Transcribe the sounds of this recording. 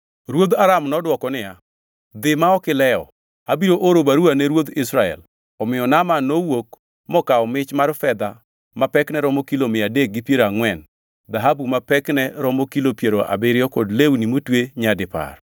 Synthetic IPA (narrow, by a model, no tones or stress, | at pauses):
ɾwod̪aɾamnɔdwɔkɔnɪja | d̪ɪmaɔkɪlɛɔ̰ | abiɾoʔoɾobaɾuanɛɾwod̪ɪsɾaɛ̰l | ɔmɪɔnamanowok | mɔkaɔmɪt͡ʃmarfɛd̪a | mapɛknɛɾɔmokilomɪadek̚ɡɪpjeɾaŋwɛn | d̪aɦabumapɛknɛɾɔmokilopjeɾoʔa̰bɪɾɪɔkɔdleunimotweɲadɪpa̰r